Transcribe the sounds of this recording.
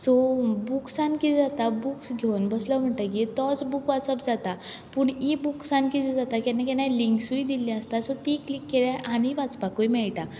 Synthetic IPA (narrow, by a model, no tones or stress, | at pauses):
sɔbuksankit̪ɛd͡zat̪abuksɡʱewnbəsləm̤əɳʈ̪ak̬it̪ɔt͡sbukʋat͡səbd͡zat̪a | puːɳibuksãnkit̪ʰɛd͡zat̪akanakɛnaliŋksuid̪ilĩəst̪asɔt̪iklikːeljaʔaɽ̃iʋat͡spakujmɛɭʈa